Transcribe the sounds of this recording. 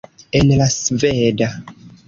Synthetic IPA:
enlasveda

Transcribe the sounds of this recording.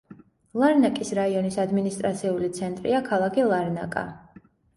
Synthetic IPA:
lˠaɾnakʼisɾaiɔnisad̪minist̪ʼɾat̪sʰiulit̪sʰɛnt̪ʼɾḭakʰalˠakʰilˠaɾna̰kʼa̰

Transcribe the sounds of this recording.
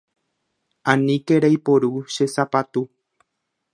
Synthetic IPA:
ãnĩkeɾajpoɾuʃe̞sapat̪u

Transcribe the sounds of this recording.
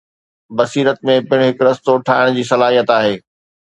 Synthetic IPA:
bɐsiːɾət̪̚mẽpɪɪɽ̃ɦɪkɾɐst̪oʈʰaːɪɽ̃d͡ʑiːsɐlaːɦijət̪aːɦeː

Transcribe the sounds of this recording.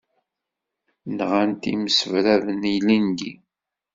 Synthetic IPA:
nʁant̪iməsəvɾæðənijlinɡi

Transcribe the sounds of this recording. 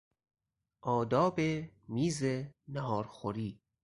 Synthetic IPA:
ʔɒːd̪ɒːbemiːzenæɦɒːɾxoɾiː

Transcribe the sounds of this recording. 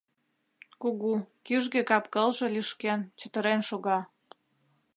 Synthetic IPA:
kuɣukyʒɣekɑpkəlʒe̽liʃkent͡ɕət̪əɾenʃoɣɑ

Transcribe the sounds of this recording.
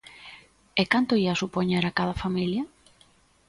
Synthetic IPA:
ɛkant̪oiasupoɲeɾakaðɐfamiljɐ

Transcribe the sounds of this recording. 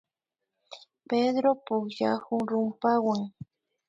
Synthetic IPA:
ped̪ɾopʊkʃaxʊŋɾʊmpawaŋ

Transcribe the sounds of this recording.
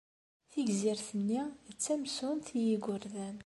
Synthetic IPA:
θiɡziɾθənːiət͡sːæmsunt̪ijiɡʷʊɾðæn

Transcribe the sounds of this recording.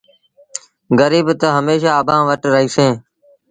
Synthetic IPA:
ɡəɾiːbt̪əɦəmeːʃ̬aːəbʱãːʋəʈɾəɦiːsẽː

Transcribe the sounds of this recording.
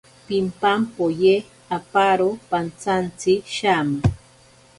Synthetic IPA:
pimpampoje | apaɾopant͡sant͡siʃama

